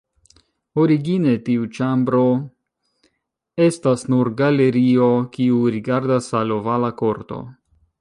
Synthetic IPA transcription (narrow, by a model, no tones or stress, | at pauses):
oɾiɡine̞tiut͡ʃambɾo̞ | e̞stasnuɾɡale̞ɾio̞kiuɾiɡaɾdasalo̞valako̞ɾto̞̰